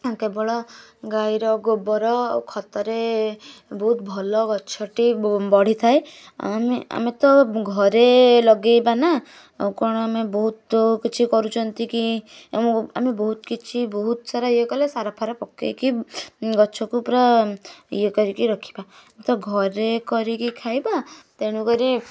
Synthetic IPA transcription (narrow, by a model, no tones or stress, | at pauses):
kebɔɭɔɡajɾɔɡobɔɾɔwkʰɔt̪ɔɾe | bɔɦut̪̚bʱɔlɔɡɔt͡ʃʰɔʈibɔɽ̤it̪ʰaj | a̰mea̰met̪ɔɡʱɔɾelɔɡejbana | kɔɽ̃ɔamebɔɦut̪kit͡ʃʰikɔɾut͡ʃʰɔnt̪iki | a̰mibɔɦut̪kit͡ʃʰibɔɦut̪saɾaiekɔlesaɾapʰaɾapɔkːḛjkiɡɔt͡ʃʰɔkuːpɾɔ | ḭjekɔɾikiɾɔkʰi̥bamet̪ɔɡʱɔɾekɔɾikikʰajbat̪eɽ̃ukɔɾi